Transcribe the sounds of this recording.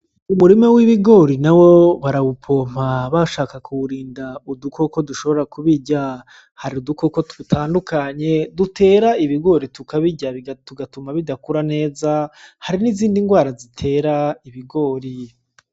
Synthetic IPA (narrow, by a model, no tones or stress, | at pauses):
umuɾimowiβiɡo̞ːɾinawo̞βaɾaβupʰo̞ːm̥aβaʃaːkakʰuɾiːndauduko̞ko̞duʃo̞βoɾakuβiɟa | haɾiuduko̞ko̞tuutʰaːndukaɲe̞dute̞ːɾaiβiɡo̞ːɾitukaβiɟaβituɡatumaβidakuɾane̞ːzahaɾiniziːndiŋɡwaːɾazitʰe̞ːɾaiβiɡo̞ːɾi